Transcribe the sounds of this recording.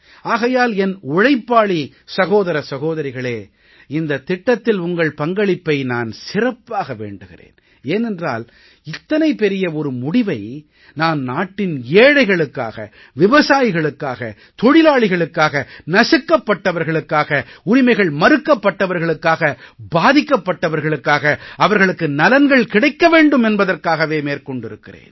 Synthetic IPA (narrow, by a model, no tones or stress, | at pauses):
aːɣɐjaːlɛnʊɻɐɪpːaːɭi | sɐɣoːðɐɾɐsɐɣoːðɐɾɪɣɐɭeː | ɪnd̪ɐt̪ːɪʈːɐt̪ːɪlʊŋɡɐɭpɐŋɡɐɭɪpːɐɪnaːnsɪrɐpːaːɣɐʋḛːɳɖɯɣɪ̰rḛːn | eːnɛndra̰ːl | ɪt̪ːɐnɐɪpːɛɾɪjɐɔɾɯmʊɽɪʋɐɪ | naːnnaːʈːɪneːɽɐɪɣɐɭɯkːa̰ːɣɐ̰ | ʋɪʋɐsaːjɪɣɐɭɯkːaːɣɐ̰ | t̪ɔɽɪlaːɭɪɣɐɭɯkːaːɣɐnɐsɪkːɐpːɐʈːɐʋɐɾɣɐɭɯkːaːɣɐʊɾɪmɐɪɣɐɭmɐɾɯkːɐpːɐʈːɐʋɐɾɣɐɭɯkːaːɣɐbaːðɪkːɐpːɐʈːɐʋɐɾɣɐɭɯkːaːɣɐɐʋɐɾɣɐɭɯkːɯnɐlɐnɡɐɭkɪɽɐɪkːɐʋeːɳɖɯmɛnbɐðɐrkaːɣɐʋeːmeːɾkɔɳɖɪɾɯkːɪrḛːn